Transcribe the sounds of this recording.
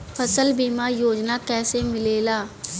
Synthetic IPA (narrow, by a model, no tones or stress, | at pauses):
pʰɐsəlbiːmajoːd͡ʒnakɛːsemɪleːlaː